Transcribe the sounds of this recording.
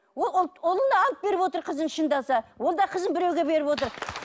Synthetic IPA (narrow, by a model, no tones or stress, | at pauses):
wollˠolˠənəɑlˠəp̚be̞ɾɪpwo̞t̪əɾqʰəzənʃənd̪ɑsɑwo̞lˠd̪ɑqʰəzənbɪɾewɡʲe̞be̞ɾɪpwo̞t̪̬əɾ